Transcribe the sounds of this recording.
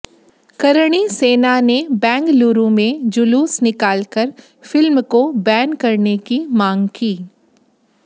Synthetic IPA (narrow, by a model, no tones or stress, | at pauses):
kɐɾɽ̃iseːnanebɛ̃ːŋɡkluːɾũmẽd͡ʒʊluːsnɪkaːlkəɾ | fɪlmkobɛːnkɐɾnekimãːŋɡkiː